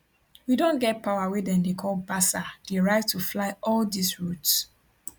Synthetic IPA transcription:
widõnɡɛt̚pʰaʊawedɛ̃ndekʰɔlbasad̥eɹaɪtʰːuflaɪɔldisɹuts

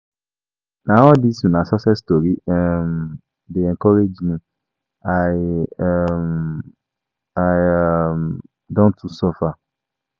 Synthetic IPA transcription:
nãwɔdisũnãsɔsɛstoɾiɛm | deɛŋkʰɔɾed͡ʒnʊ̃ | ajm | am | dɔ̃ntʰusɔfa

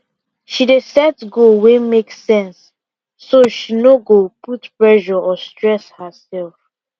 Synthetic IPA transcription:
ʃidesɛtɡowemeksɛ̃nsː | oʃinoɡoputpɹɛʒɔʔɔstɹɛshəsɛlf

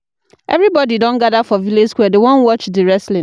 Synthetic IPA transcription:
ʔɛ̰vɾibɔdidõnɡadafɔviled͡ʒskwɛdewɔ̃nwɔt͡ʃdiɹɛslĩ

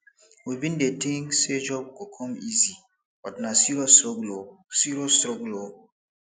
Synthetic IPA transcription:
wibĩndetĩŋsed͡ʒɔb̚kɔkʰɔmizi | bɔtnasiɾosoɡlosiɾosɾɔɡulo

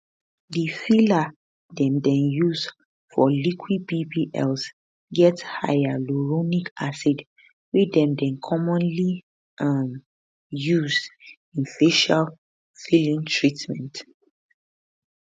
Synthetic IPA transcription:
difila | dɛ̃mdɛ̃njuz | fɔlikʰwid̚bibiʔɛ̰ls | ɡɛtha̰jaluɹonikasɛd | widɛ̃mdɛ̃nkʰɔmɔ̃nli | am | juzd | ĩnfeʃal | filĩŋtʰɹitmɛ̃nt

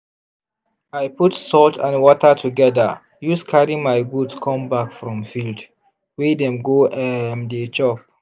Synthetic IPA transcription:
ajpʰutsɔltʰãnwɔtʰətʰuɡɛdə | juskʰaɹĩmaɪɡudskʰɔ̃mbakfɹɔ̃mfild | wedɛ̃mɡoʔɛmdet͡ʃɔp̚

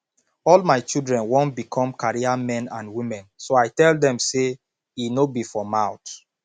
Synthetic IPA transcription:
ɔlmaɪt͡ʃilˠdɹɛ̃nwɔ̃ntbikʰɔ̃mkaɹiamɛ̃nãnwimɛ̃nsoaɪtɛldɛ̃mse | inobifɔmaʊt

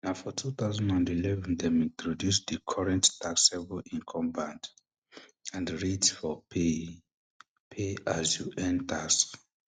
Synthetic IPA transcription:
naʊfɔtʰuθaʊzãnãndilɛvɛ̃ndɛmĩntʰɹɔdjusd̪ikʰɔɹɛ̃nttʰaksɛvəlĩnkʰɔ̃mbãnd | ãndɹitsfɔpe | pʰeazjuʔɛ̃ntʰaks

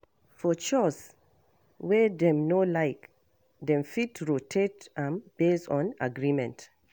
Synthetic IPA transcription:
fɔt͡ʃɔs | wɛdɛ̃mnolaɪk | dɛ̃mfitɹotʰetãmb̥estɔ̃na̰ɡɹimɛ̰̃nt

